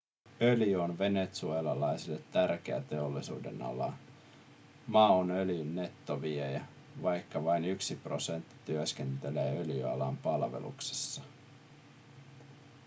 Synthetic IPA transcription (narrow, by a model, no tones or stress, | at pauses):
ø̞ljyo̞nʋe̞ne̞t̪sue̞ːlɑlɑjsilːet̪ːærk̟eæ̰t̪e̞o̞lːisṵːde̞̰nɑ̰lɑ̰ | mɑːonøljynːe̞t̪ːoʋiejæ | ʋɑjkːɑʋɑjnyksipro̞se̞nt̪ːi̥t̪yøsk̟e̞nt̪e̞le̞ːø̞ljyɑ̰lɑ̰mpɑlʋe̞̰lṵkse̥sːɑ